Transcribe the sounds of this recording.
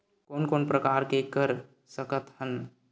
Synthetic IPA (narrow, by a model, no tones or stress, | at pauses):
koːnkoːnpɾəkaːɾkekəɾ | səkət̪hən